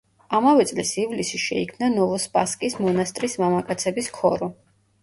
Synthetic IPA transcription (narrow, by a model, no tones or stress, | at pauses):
amavɛt̪sʼlisivlisiʃɛ̰ikʰmnanɔvɔspʼaskʼismɔnast̪ʼɾismamakʼat̪sʰɛbiskʰɔ̰ɾɔ